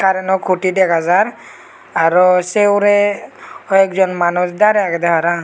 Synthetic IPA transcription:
kaɾɛnɔkʰuʈidɛkʰazaɾ | aɾɔsewɾɛ | ɔɛkzɔnmanusd̪aɾɛaɡɛd̪ɛɦaɾa

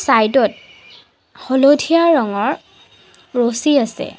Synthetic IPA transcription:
sajdɔt̚ | hɔlodʱijaɹɔŋɔɹ | ɹosiasɛ̰

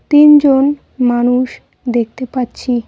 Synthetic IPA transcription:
t̪ind͡ʑon | manuʃ | d̪ek̚t̪epatːɕʰi

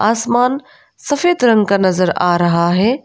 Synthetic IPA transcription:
aːsmaːn | sɐfeːd̪ɾɐ̃ŋɡkanɐzəɾaːɾɐɦaɦeː

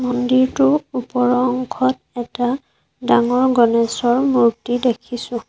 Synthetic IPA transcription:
mɔndiɹtʊupɔɹɔŋɡʰʱɔt | ɛta | daŋɔɹɡɔnɛsɔɹmuɹtidekʰisʊ̃

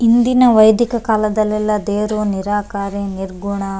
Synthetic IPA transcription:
ind̪inɐʋɐjd̪ikɐkaːlɐd̪ɐlːɛlːɐd̪eːɾoːniɾaːkaːɾeniɾɡuɳa

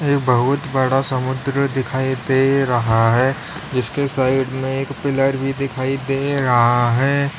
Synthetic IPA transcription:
eːkbɐɦʊt̪bɐɽasɐmʊd̪ɾəd̪ɪkʰaːid̪eːɾɐɦaɦɛː | d͡ʒɪskesaːɪɖmẽeːkpɪləɾbʱid̪ɪkʰaːid̪eɾɐɦaɦɛː

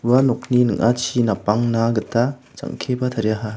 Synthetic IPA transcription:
uwanok̚ninɯŋʔat͡ʃʰinapaŋnaɡɯta | t͡ʃa̰ŋkʰebɐt̪ʰaɾjaɦa

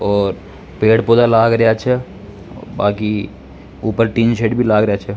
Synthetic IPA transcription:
ɔːɾ | peːɽpoːd̪alaːɡɾɐɦat͡ʃʰɛ | baːki | uːpəɾʈĩːnʃeːɖbʱilaːɡɾɐjat͡ʃʰɛ

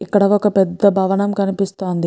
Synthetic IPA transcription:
ikːɐɽɐʋɔkɐpɛd̪ːɐbʱɐʋɐɳɐmkɐnipist̪oːnd̪i

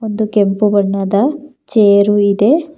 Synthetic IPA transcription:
ond̪ukempubɐɳːɐd̪ɐ | t͡ʃeːɾuid̪e̞

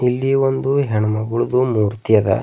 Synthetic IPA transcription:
ilːiʋond̪uɦɛɳumɐɡuɭud̪umuːɾt̪ijɐd̪ɐ̰

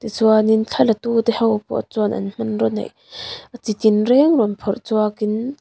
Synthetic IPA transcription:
t̪it͡suanint͡ɬʰalɐt̪ut̪ɛhɐwpɔ̰ʔt͡sɔnʔɐ̰nm̥ɐnrɔnɐ̰jʔ | ʔət͡sit̪inrɛŋruənpʰɔrʔt͡suakin

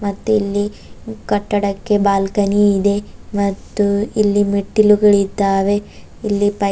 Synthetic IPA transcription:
mɐt̪ːuilːi | kɐʈːɐɽɐkːe̞baːlkɐniːd̪e̞mɐt̪ːuilːimeʈːiluɡɐɭit̪aːʋe̞ | ilːipɐ

